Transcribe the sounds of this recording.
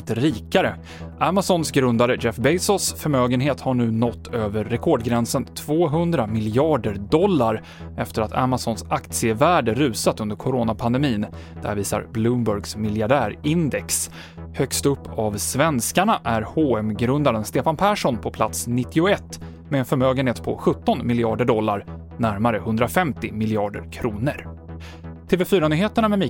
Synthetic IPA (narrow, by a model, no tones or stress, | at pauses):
t̪ɾiːkaɾə | ʔamasɔnsɡɾɵnd̪aɾəd͡ʒɛfbɛjsɔsfœɾmøːɡənɦeːt̪haɳʉ̟ːnɔt̪ːøːvəɾːɛkʰɔɖɡɾɛnsənt̪ʰv̥oːɦɵnd̪ɾamɪlɪɑːɖəɾd̪ɔlːaɾ | ɛft̪əɾat̪ʰa̰masɔnsakt̪sɪəvæːɖəɾʉ̟ːsat̪ɵnd̪əɾkʰʊɾoːnapʰand̪ɛmiːn | d̪̥æ̰ɾviːsa̰ɾblɵmbɵɾɡsmɪljaɖæːɾɪnd̪ɛks | hœkst̪ɵpːavsvɛnskaɳaʔæɾhoːɛmɡɾɵnd̪aɾənst̪eːfanpʰæːʂɔnpʰɔpʰlat̪snɪt̪ːɪʊɛt̪ː | mɛɛnfœɾmøːɡənheːt̪pʰɔ̰ɧɵt̪ːɔnmɪljɪɑːɖəɖɔlːaɾ | næɾmaɾəhɵnd̪ɾafɛmt̪ɪmɪlɪɑːɖə̰ɾkʰɾuːnəɾ | t̪ʰeːveːfyːɾanyːheːt̪əɳamɛmɪ